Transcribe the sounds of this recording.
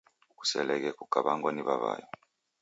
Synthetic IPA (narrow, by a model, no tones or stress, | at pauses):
uk̬u̥sɛ̰lɛk̬ɛkuɡ̥ʱaɓaŋɡwaniɓaβa̰ːjɔ